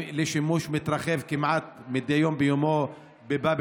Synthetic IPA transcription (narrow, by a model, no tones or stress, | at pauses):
leʃimuʃmit̪ɾɑχevkimʕat̪̚mid̪ejombejomo | bebab